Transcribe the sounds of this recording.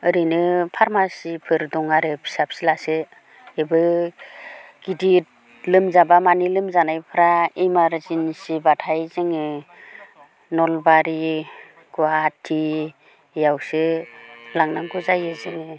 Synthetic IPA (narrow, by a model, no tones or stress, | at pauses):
ɯɾinɯpʰaɾmasipʰɯɾdɔŋaɾɯpʰi̥sap̚silasɯ | ebɯ | ɡ̥idi | lɯmzabamanilɯmzanajpʰɯɾaejmaɾzinsibatʰajzɯŋɯ | nɔlbaɾi | ɡuatʰːi | jawsɯ | laŋnaŋɡuzajɯzɯŋɯ